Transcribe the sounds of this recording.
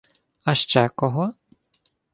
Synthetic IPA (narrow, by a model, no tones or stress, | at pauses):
ɐʃt͡ʃɛkɔɦɔ